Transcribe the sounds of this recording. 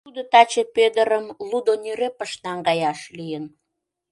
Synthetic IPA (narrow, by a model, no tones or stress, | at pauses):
t̪ud̪ot̪ɑt͡ɕeped̪əɾəmlud̪onyɾepəʃnɑŋɡɑjɑʃlijən